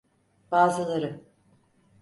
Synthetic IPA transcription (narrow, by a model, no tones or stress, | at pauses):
b̥aːzɯlˠaɾɯ